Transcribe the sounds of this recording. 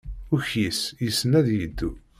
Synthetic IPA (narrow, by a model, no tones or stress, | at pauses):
ʊçjisjəsːənæðjəd̪ːu